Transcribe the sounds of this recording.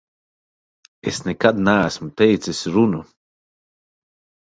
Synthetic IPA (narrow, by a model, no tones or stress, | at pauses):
esnekad̪naːsmut̪ejt̪sisʲɾunu